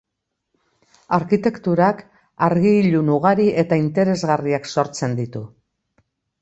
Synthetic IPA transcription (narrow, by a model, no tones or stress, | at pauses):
aɾkit̪e̞kt̪uɾak | aɾɣiːʎunuɣ̞aɾiʔe̞t̪aint̪e̞ɾe̞zɣariakso̞ɾt͡se̞nd̪it̪u